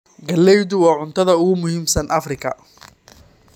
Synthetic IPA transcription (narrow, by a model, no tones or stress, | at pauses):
ɡɐlːɛjd̪ʊwɑːʕʊnt̪ʰɐðɐʊɣʊmʊhiːmsɐnʔɐfrɪkʰɐ